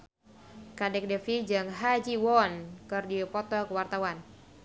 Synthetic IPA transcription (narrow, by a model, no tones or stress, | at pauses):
kadɛk̚dɛfid͡ʒɨŋɦad͡ʒiwɔnkərdipɔt̪ɔkəwart̪awan